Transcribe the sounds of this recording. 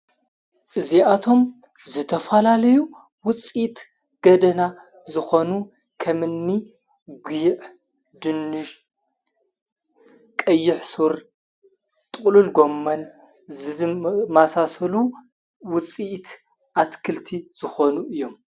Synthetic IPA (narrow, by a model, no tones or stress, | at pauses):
ʔɨziat̪ʰo̞m | zɨt̪ʰɐfɐlalɐju | wʊt͡sʼit̪ | ɡ̥ɐd̪ɐna | zɨxo̞nu | kʰɐmɨnːi | ɡʷiʕ | d̪ɨnːɨʃ | kʼɐjːɪħsuɾ | t̪ʼɨχʼlulɡo̞mːɐn | zɨmasasɐlu | wʊt͡sʼiʔt̪ | ʔat̪kʰɨlt̪ʰiz̥ɨxonuʔɨjːo̞m